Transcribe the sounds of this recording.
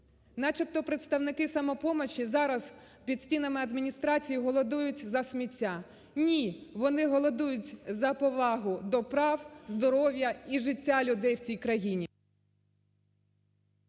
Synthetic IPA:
nɑt͡ʃɪpt̪ɔpɾet̪st̪ɐwnɪkɪsɐmɔpɔmɔt͡ʃizɑɾɐz̥ | pʲid̪̥sʲtʲinɐmɪɐd̪mʲinʲist̪ɾɑt͡sʲijiɦɔlˠɔd̪ujʊtʲzɐsmʲitʲːa | nʲiʋɔnɪɦɔlˠɔd̪ujʊtʲzɐpɔʋɑɦʊd̪ɔpɾɑwzd̪ɔɾɔʋʲjɐiʒɪtʲːalʲʊd̪ɛjwt͡sʲijkɾɐjinʲi

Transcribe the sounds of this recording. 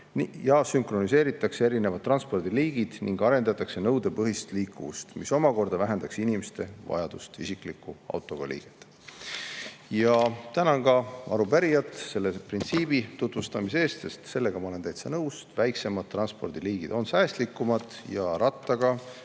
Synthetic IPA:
njɑsymkro̞nise̞ːɾit̪ːˑɑkse̞e̞ɾine̞vɑd̪̚t̪ːˑrɑnspo̞rd̪̥iliːɡ̥id̪̥nḭŋɡ̥ɑɾe̞nd̪ɑt̪ːˑɑkse̞nɤwd̪e̞pɤɦist̪liːkːuvust̪miso̞mɑko̞rd̪̥ɑvæɦe̞nd̪ɑksinimest̪e̞vɑ̰jɑd̪̥ust̪isikˑlikːuɑ̰wt̪ːˑo̞ɡ̥ɑlḭːɡ̥e̥t̪ː | jɑt̪ænɑɡɑɑ̰ɾubæɾijɑt̪ˑse̞lːeprint̪siːbit̪ut̪ˑvust̪ɑmise̞ːst̪se̞st̪se̞lːe̞ɡ̥ɑmɑole̞nt̪æjt̪sɑnɤwst̪væjksemɑd̪̚t̪ːrɑnspo̞̰rd̪̥iliːɡ̥id̪o̞nsæːst̪likːˑumɑd̪jɑɾɑt̪ːˑɑɡ̥ɑ

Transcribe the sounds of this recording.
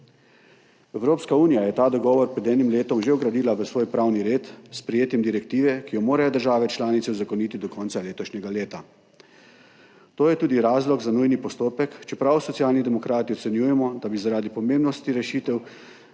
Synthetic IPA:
ɛwɾoːpskauːnijajɛt̪aːd̪ɔɡɔːʋɔɾpɾɛd̪ɛːnimleːt̪ɔmʒeɔɡɾad̪iːlaʋəsʋoːjpɾawniɾeːt̪spɾɛjeːt̪jɛmd̪iɾɛkt̪iːʋɛkijɔmoːɾajɔd̪əɾʒaːʋɛt͡ʃlaːnit̪sɛzakɔniːt̪id̪ɔkɔntsaleːt̪ɔʃɲɛɡaleːt̪a | t̪oːjɛt̪uːd̪iɾaːzlɔɡzanujnipɔst̪oːpɛkt͡ʃɛpɾawsɔt̪sijaːlnid̪ɛmɔkɾaːt̪iɔt̪sɛnjuːjɛmɔd̪abizaɾaːd̪ipɔmembnɔst̪iɾɛʃiːt̪ɛw

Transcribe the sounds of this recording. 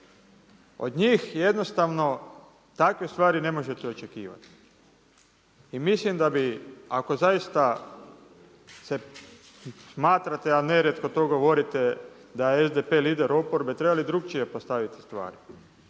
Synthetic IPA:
o̞̰d̪ɲiːxje̞d̪no̞st̪aʋno̞ | t̪akʋest̪ʋaːɾine̞mo̞ʒe̞t̪eo̞t͡ʃe̞kiːʋa̰t̪i̥ | imislimd̪abiako̞zajist̪a | se̞ | smaːt̪ɾat̪eane̞ɾet̪ko̞t̪o̞ːɡoʋo̞ɾit̪e | d̪ajeezd̪epeliːd̪eɾo̞poɾbet̪ɾe̞balid̪ɾuk̚t͡ʃijepo̞st̪aʋit̪i̥st̪ʋa̰ːɾi

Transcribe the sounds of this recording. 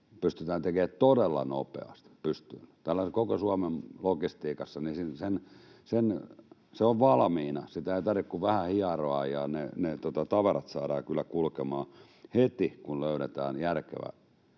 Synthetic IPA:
pyst̪yt̪æːnt̪ekeːtt̪odelːɑ̰nopḛɑ̰st̪pyst̪yːnt̪ælːæsekokosuɑmemlokist̪iːkɑsːɑnisinsensenseoʋʋɑlmiːnɑsit̪æeit̪ɑrʋikkuʋʋæhæhiɑroɑ̰jɑnenet̪ot̪ɑt̪ɑʋɑrɑt̪sɑːɾɑːkylːækulkemɑː | het̪ikulløyɾet̪æ̰ːnjærkḛʋæ̰

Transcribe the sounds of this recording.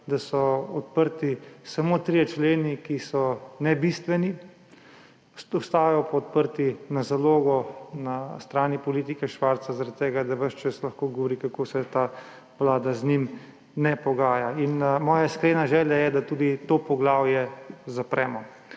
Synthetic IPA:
d̪asɔɔt̪̚pəɾt̪isamot̪ɾijɛt͡ʃleːnikisɔnɛbist̪ʋɛni | ɔst̪aːjjɔpɔɔt̪̚pəɾt̪inazaloːɡɔnast̪ɾaːnipɔliːt̪ikɛʃʋaɾt̪sazaɾat̪t̪ːeːɡad̪aʋəʃt͡ʃəslaxkoːɡɔʋɔɾikakoːsɛt̪aː | ʋlaːd̪aznim | nɛpɔɡaːjainmɔːjaskɾeːnaʒɛːljajɛd̪at̪uːd̪it̪opɔɡlaːwjɛzapɾɛːmɔ

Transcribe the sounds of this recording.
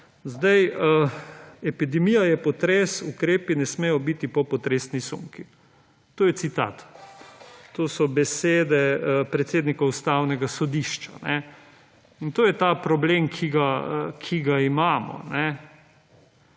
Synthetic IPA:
zd̪ajəɛpid̪ɛmijajɛpɔt̪ɾɛsukɾeːpinɛsmeːjɔbit̪ipɔpɔt̪ɾesnisṵŋki | t̪oːjɛt̪sit̪a̰t̪ː | oːsɔbɛseːd̪ɛpɾɛt̪seːd̪nikaust̪aːwnɛɡasɔd̪iʃt͡ʃanɛ | int̪oːjɛt̪apɾɔbleːmkʰiɡakʰiɡaimaːmɔ̰nɛ

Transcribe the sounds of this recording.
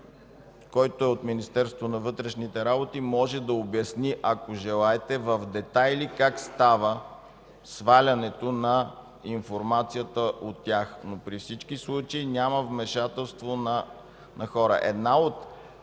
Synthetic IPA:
kɔjt̪oɛot̪minist̪ɛɾst̪vonɐvɤt̪ɾɛʃnit̪ɛɾabot̪imɔʒɛd̪ɐobjɐsniʔɐkoʒɛlˠaɛt̪ɛvəfd̪ɛt̪ajlikakst̪avə | svalʲɐnɛt̪onɐ | infoɾmat̪sijət̪əʔot̪ːʲjaxnopɾifsit͡ʃkislˠut͡ʃəinʲaməvmɛʃat̪ɛlˠst̪vonɐ | nɐxɔɾə̰ʔɛ̰d̪naot̪

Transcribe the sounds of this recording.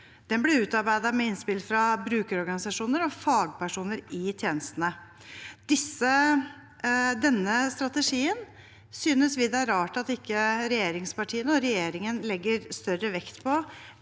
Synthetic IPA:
d̪̥ɛnblɪʉːt̪ɑɾbæɪd̪ɑmɛɪnspɪlfɾɑbɾʉːkəɾɔɾɡɑnɪsɑʂuːnəɾɔfɑːɡ̚pæʂuːnəɾɪt̪ʰjeːnəst̪ənə | d̪̥ɪsːə | d̪ɛnːəst̪ɾɑt̪əʂiːən | syːnəsʋɪd̪ɛæɾɑːʈɑt̪ɪkːəɾɛjeːɾɪŋspɑʈʰiːənəɔɾɛjeːɾɪŋənlɛɡːəɾst̪œrəʋɛkt̪pʰɔ

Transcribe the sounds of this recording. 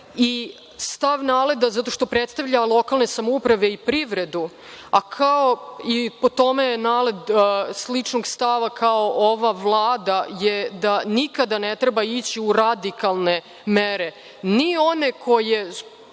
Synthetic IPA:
i | st̪aʋnaːled̪azat̪o̞ʃt̪o̞pɾet̪st̪aʋʎalˠo̞kalˠne̞samoupɾaʋe̞ipɾiʋɾe̞d̪u | akʰaoipo̞t̪o̞menaːle̞d̪slit͡ʂnoɡst̪aʋakʰaoʔoʋaʋlˠaːd̪ajed̪anikad̪anet̪ɾebait͡ɕiuɾad̪ikalˠne | meɾe̞ | nio̞nekʰo̞je

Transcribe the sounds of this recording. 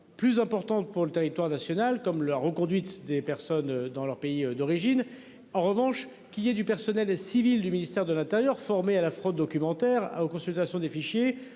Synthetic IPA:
plyzɛ̃pɔʁt̪ɑ̃t̪puʁlət̪eʁit̪waʁnasjɔnalkɔmlaʁəkɔ̃d̪ɥit̪d̪epɛʁsɔnød̪ɑ̃lœʁpeiød̪ɔʁiʒin | ɑ̃ʁəvɑ̃ʃ | kʲiljɛd̪ypɛʁsɔnɛlsivild̪yminist̪ɛʁd̪əlɛ̃t̪eʁjœʁfɔʁmealafχod̪ːɔkʲymɑ̃t̪ɛʁa̰okɔ̃sylt̪asjɔ̃d̪efiʃje

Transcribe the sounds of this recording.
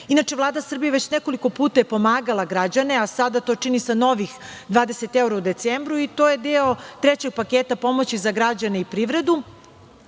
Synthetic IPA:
inat͡ʂeʋlˠaːd̪asr̩bijeʋe̞t͡ɕneko̞liko̞puːt̪ajepo̞maːɡalˠaɡɾad͡ʑane̞asad̪at̪o̞t͡ʂinisano̞ʋixd̪ʋaːd̪eset̪ewɾaud̪e̞t̪sembɾuit̪o̞ːje̞d̪eot̪ɾet͡ɕe̞ɡ̚pakeːt̪apo̞mot͡ɕizaɡɾad͡ʑaneipɾiʋɾe̞d̪u

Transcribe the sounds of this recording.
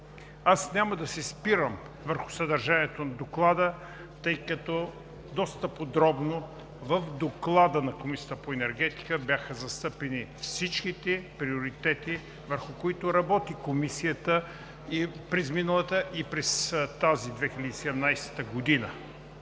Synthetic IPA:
asnʲaməd̪ɐsɛspiɾəm | vəɾxʊ̥sɐd̪ɐɾʒaniət̪onɐd̪oklˠad̪ə | t̪ɤjkɐt̪ɔ | d̪ɔst̪əpod̪ɾɔbno | vəfd̪oklˠad̪ənɐkomisijət̪əpoɛnɛɾɡɛt̪i̥kəbjaxəzɐst̪ɤpɛnifsit͡ʃk̟it̪ɛpɾioɾit̪ɛt̪i | vəɾxʊkoit̪oɾɐbɔt̪ikomisiət̪ə | ipɾɛzminəlˠət̪əʔipɾɛst̪azid̪vɛxilʲəd̪iːsɛd̪ɛmnajsɛ̥t̪əɡod̪inə

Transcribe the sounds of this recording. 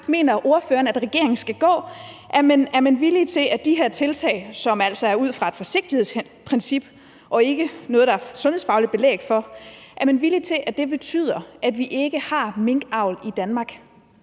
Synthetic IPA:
me̝̰ːnɐʔo̝ɐføːɐnæd̥ʁɛɡ̥e̝ɐ̰eŋn̩sɡ̥æɡ̥ɔ̰̽ː | ʔæmenæɐmænʋilit͡sʰe̝æd̥iɦeɐ̰t͡sʰe̝lt͡sʰɛ̰ɪsɒ̽mæl̰sɒ̽æɐuð̰ˠfʁɑ̈e̝d̥fɒ̽se̝ɡ̥̚d̥ihe̝ð̰ˠs | pʰʁɛnsib̥ | ʔɒ̽e̝ɡ̥ənɔ̽ːðˠd̥ɑæɐsɔ̽nhe̝̰sfɑ̈ʊlid̥̚b̥e̝lḛːɡ̥fɒ̽ʔæɐmænʋilit͡sʰe̝lʔæd̥e̝b̥e̝t͡sʰy̰ːð̰ˠɐʔæd̥ʋiʔe̝ɡ̥əhɑ̈me̝ŋɡ̥ɑ̈ʊ̰lid̥ænmɑ̈ːɡ̥

